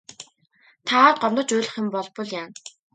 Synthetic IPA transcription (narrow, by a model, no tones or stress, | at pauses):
t̪ʰaɢɔmnt̪ɞ̆t͡ɕʊːɮ̆χĕmpɔɮpʊ̆ɮjaːn